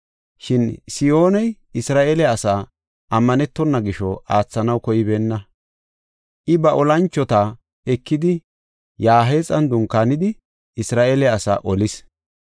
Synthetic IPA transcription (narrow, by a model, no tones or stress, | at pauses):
ʃɪnsɪjo̞ːnɛj | ɪsɾaːʔeːlɛɐsaː | ʔɐmːɐnɛt̪ːɔnːɐɡɪʃɔʔaːt͡sːɐnɐwkɔjɪbeːnːɐ | ʔɪbɐʔɔlɐnt͡ʃːɔt̪ɐ | ɛkːɪd̪ɪ | jaːɦe̞ːt͡sʼɐnd̪ʊŋkːaːnɪd̪ɪ | ɪsɾaːʔeːlɛɐsa̰ːʔɔlɪs